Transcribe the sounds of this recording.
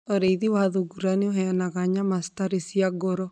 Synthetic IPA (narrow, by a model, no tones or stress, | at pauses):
oɾeiðiwaðoɡuɾaneoɦɛanaɣaɲamastaɾesiaɡɔɾɔ